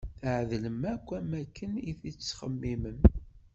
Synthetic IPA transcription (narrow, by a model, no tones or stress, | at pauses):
θʕðləmækʷːæmækːəniθit͡sːχəmːimən